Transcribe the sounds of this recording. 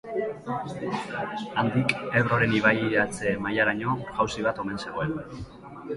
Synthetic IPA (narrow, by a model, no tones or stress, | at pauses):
and̪ike̞βɾo̞ɾe̞niβ̞ajiat͡se̞majaɾaɲo̞ɣ̥awsiβ̞at̪o̞me̞nse̞ɣoen